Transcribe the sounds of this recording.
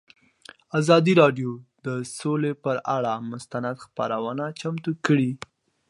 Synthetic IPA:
azɑd̪iɾɑɖjod̪̥əsolepəɾaɽamʊst̪anad̪xpa̰ɾawənat͡ʃamt̪ukəɽi

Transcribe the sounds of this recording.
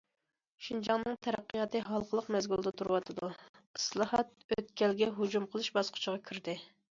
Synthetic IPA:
ʃind͡ʒɑŋnɨŋt̪ʰɛɾæqːəjɑt̪ɨɦɑlˠqʰəlˠəqmɛzɡʲulˠd̪ɛt̪ʰuɾɨwɑt̪ʰɨd̪u | ɨslˠɑhɑt̪̚øt̪kʲɛlɡʲɛɦud͡ʒumqʰəlˠɨʃbɑsqʰʊ̥t͡ʃʰəʁɑkʲʰiɾd̪ɪ

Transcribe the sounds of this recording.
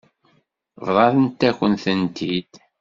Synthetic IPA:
vɾˤɑɾənt̪ːækʷːənθənt̪id̪̥

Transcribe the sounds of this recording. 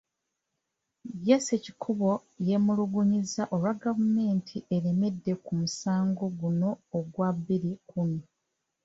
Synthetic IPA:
jesecikʰuβo̞je̞muluɡuɲizaʔo̞lwaɡavume̞ːntʰiʔeɾeme̞dːe̞kumusaːŋɡo̞ɡuno̞ːɡwaβːiɾikumi

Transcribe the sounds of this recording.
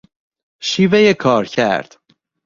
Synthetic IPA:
ʃiːvejekʰɒːɾcʰæ̰ɾd̪̥

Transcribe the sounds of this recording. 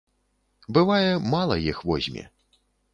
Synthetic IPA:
bɨvajɛmalˠɐjixvɔzʲmʲɛ̰

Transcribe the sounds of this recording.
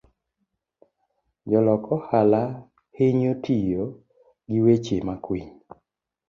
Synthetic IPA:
d͡ʒɔlɔkʰɔhala | heɲotʰijo | ɡiwet͡ʃemakwiɲ

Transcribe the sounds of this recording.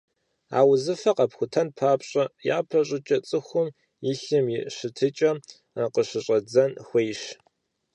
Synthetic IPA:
a̰ːwzɨfɐqɐpxʷʊtʰɐnpʰaːpɕʼɐjaːpʰɐɕʼɪt͡ʃʼɐt͡sʼɨxʷʊm | jɪɬɨmjɪɕɨtʰɨt͡ʃʼɐ | qəɕɨɕʼɐd͡zɐnxʷejʃ

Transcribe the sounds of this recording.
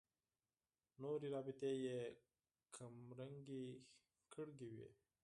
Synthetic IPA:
noɾiɾɑbɪt̪eje | kʰamɾaŋɡi | kʰəɽɡiwḭ

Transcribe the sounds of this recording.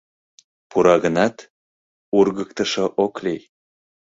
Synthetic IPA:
puɾɑɣənɑt̪ | urɣək̚t̪əʃoʔoklej

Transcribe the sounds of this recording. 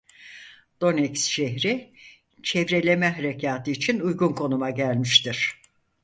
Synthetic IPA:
d̪̥o̞nɛcsʃeɦɾi | t͡ʃʰɛvɾe̞lʲe̞mɛɦaɾecʰaːt̪ʰɯːt͡ʃʰinujɡunkʰo̞numaɟælʲmiʃt̪iɾ̥

